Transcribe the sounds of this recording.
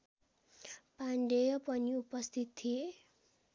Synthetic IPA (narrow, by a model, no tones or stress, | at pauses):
paɳɖejʌpʌniupʌst̪ʰit̪ʰːije